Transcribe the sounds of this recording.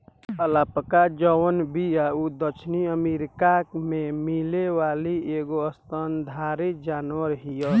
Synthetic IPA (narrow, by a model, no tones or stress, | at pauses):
əlapəkad͡ʒəwənbijaud̪ət͡ʃʰniəmeɾikakmẽmilewaːlieɡoəst̪ənd̪ʱaːɾid͡ʒaːnwəɾɦijə